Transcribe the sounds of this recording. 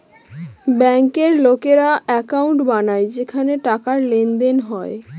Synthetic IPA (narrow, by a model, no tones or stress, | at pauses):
bɛŋkeɾlokeɾaɛkawɳʈbanaed͡ʑekʰaneʈakaɾlend̪enɦɔe